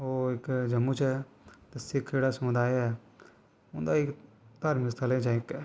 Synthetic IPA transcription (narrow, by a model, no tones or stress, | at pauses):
oːɪkd͡ʒəmːut͡ʃɛ | t̪esɪkʰd͡ʒeːɽasmʊd̪aːjɛ | ʊ̃nd̪aːɪk | t̪aːɾmɪkst̪ʰalẽːt͡ʃãɪkː